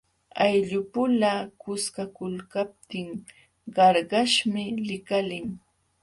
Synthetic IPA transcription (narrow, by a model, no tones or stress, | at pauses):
ajʎʊpʊlakʊskakʊlkap̚t̪ɪŋ | ɢɑɾɢɑʃmɪlɪkalɪŋ